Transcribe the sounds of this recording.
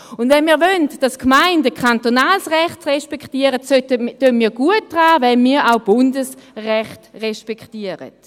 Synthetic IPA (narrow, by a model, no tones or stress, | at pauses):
ʊndvɛnmiːɐvøntd̥askmaɪndəkʰantonaːlsʁɛχtʁɛʃpɛktiəʁətstːønmiːɐɡ̥uət̚d̥ʁaːvɛnmiːɾaʊb̥ʊndəsʁɛχtʁɛʃpɛktiəʁə̰t